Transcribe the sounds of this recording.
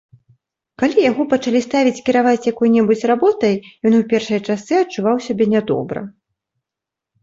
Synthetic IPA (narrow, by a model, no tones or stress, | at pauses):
kalʲijaɣɔpɐt͡ʂalʲist̪avʲit͡sʲkʲiɾavat͡sʲjakɔjnʲɛbut͡sʲrabɔt̪ɐjjɔnuwpʲɛrʂɐjt͡ʂasɨɐt͡ʂːuvawsʲabʲɛnʲad̪ɔ̰bɾɐ̰